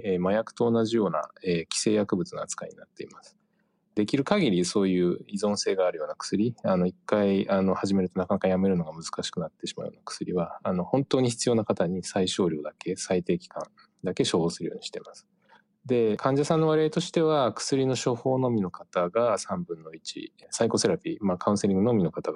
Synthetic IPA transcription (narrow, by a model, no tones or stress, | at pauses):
eːmajakɯ̟̥t̪o̞ːnaʑijo̞ːna̰eːkʲi̥se̞ːjakɯ̟bɯ̟t͡sɨno̰at͡sɨ̥ka̰ḭɲḭnat̪ːe̞ḭmasɨ̥ | d̪e̞kʲiɾɯ̟kaɡʲiɾʲiso̞ːjɯ̟ːizõ̞ɰ̃se̞ːɡaːɾɯ̟jo̞ːnakɯ̥sɨɾʲiano̞ikːaiano̞haʑime̞ɾɯ̟t̪o̞nakanakajame̞ɾɯ̟no̞ɡamɯ̟zɨ̥kaɕi̥kɯ̟nat̪ːe̞ɕima̰ɯ̟joːnakɯ̥sɨɾʲiβaːno̞hõ̞nt̪o̞ːɲ̟içi̥t͡sɨjo̞ːnakat̪aɲ̟isaiɕo̞ːɾʲo̞ːd̪ake̞sait̪e̞ːkʲi̥kã̰n | d̪ake̞ɕo̞ːhoːsɨɾɯjo̞ːɲ̟iɕi̥t̪e̞masɨ̥ | d̪e̞kʰãɲ̟d͡ʑasãnːo̞β̞aɾiait̪o̞ɕi̥t̪e̞β̞akɯ̥sɨɾʲino̞ɕo̞ho̞ːno̞mʲino̞kat̪aɡasãmbɯ̟̃nːo̞it͡ɕḭsaiko̞se̞ɾapʲimakʰaɯ̟̃se̞ɾiŋɡɯ̟nomʲino̞kat̪aɡa